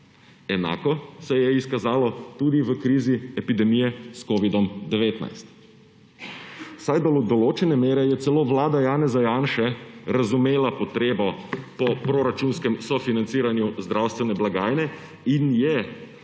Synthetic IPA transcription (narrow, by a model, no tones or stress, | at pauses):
ɛna̰ːkɔsɛjɛiskazaːlɔt̪uːd̪iʋəkɾiːziɛpid̪ɛmijɛskɔːʋid̪ɔmd̪ɛʋeːt̪na̰jst̪ | wsajd̪ɔld̪ɔloːt͡ʃɛnɛmeːɾɛjɛt̪sɛloːʋlaːd̪ajaːnɛzajaːnʃɛɾazumeːlapɔt̪ɾeːbɔpɔpɾoɾat͡ʃuːnskɛmsɔfinant̪siːɾanjuzd̪ɾawst̪ʋɛnɛblaɡaːjnɛ | injɛ